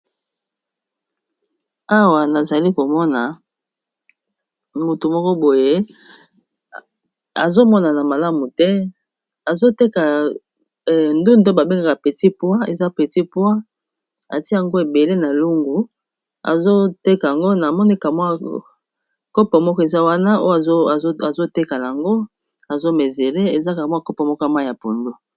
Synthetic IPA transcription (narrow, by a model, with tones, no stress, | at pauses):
a˦wa˨na˨za˨li˦ko˨mɔ˦na˨ | mu˨tu˨mɔ˦kɔ˦bo˨je˦ | a̰˨zo˦mɔ˦na˨na˨ma˨la˦mu˨tɛ˦ | a˨zo˦te˦ka˨ | ndu˦ndo˦ba˨be˦ŋɡa˦˨ka˨pe˨ti˦pwa˦e˨za˦pe˨ti˦pwa˦ | a̰˨ti˦˨a˨ŋɡo˦e˨be˨le˦na˨lu˦ŋɡu˨ | a̰˨zo˦te˦ka˨a˨ŋɡo˦na˨mɔ˦ni˦ka˨mwa˦ | kɔ˦pɔ˨mɔ˦kɔ˦e˨za˦wa˦na˦o̰˦ja˨zo˦te˦ka˨na˨a˨ŋɡo˦ | a˨zo˦me˨ze˨le˦e˨za˦ka˨mwa˦kɔ˦pɔ˨mɔ˦kɔ˦a˨ma˦˨ja˨po˨ndo˦